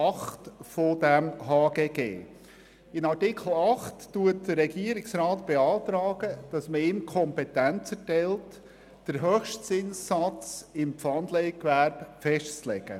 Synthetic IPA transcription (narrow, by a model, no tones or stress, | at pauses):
ɑχtfod̥æmɦɑːɡ̥eːɡḛː | ɪnɑɾtɪkʰl̩ˠɑχtːuət̚d̥əɾːɛɡiːəɾɪksɾɑːtb̥eɑːt̪ɾɑːɡ̥əd̥ɑsməɪːmkʰɔmpɛtænt͡sɛɾtɛlt | d̥əɾɦøːxʃtsɪnsːɑt͡sɪmpfɑnd̪lɛɪkʋæɾb̥fɛʃtt͡slɛɡ̥ə̰